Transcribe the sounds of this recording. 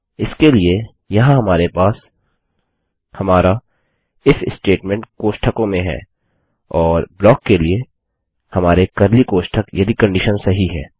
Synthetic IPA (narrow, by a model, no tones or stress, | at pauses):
ɪskelie | jɐɦãɦɐmaːɾepaːs | hɐmaːɾa | ɪfɪsʈeːʈmɛ̃ɳʈkoːʃʈʰəkõmẽɦɛ̰ː | ɔːɾblɔːkːelie | hɐmaːɾekɐɾlikoːʃʈʰəkjɐd̪ikɐ̃ɳɖɪʃənsɐɦiɦɛ̰ː